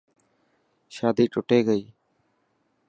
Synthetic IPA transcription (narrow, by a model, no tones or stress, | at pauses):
ʃaːd̪iːʈʊʈeːɡəiː